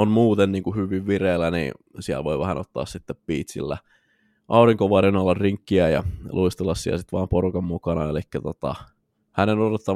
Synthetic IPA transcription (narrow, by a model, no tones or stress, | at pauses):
onmuːt̪enniːŋkuhyʋiʋʋireːlænḭːsiæ̰lʋoiʋæhænʔot̪ːɑ̰ːssit̪ːeppiːt̪sḭlːæ̰ | ʔɑuriŋkoʋɑrinɑlːɑrriŋkːiæjɑ̰lʔuist̪ulɑsːiɑ̰sit̪ʋɑːmporukɑmmukɑnɑelikːæt̪ot̪ɑ̰ | hænenodot̪ːɑ